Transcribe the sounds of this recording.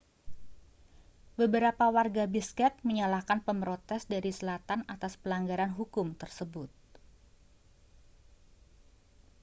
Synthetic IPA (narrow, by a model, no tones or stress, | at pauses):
bəbəɾapawarɡabiskɛt̪̚məɲalahkanpəmɾot̪ɛsdaɾisəlat̪anat̪aspəlaŋɡaɾanɦukʊmt̪ərsəbʊt̪̚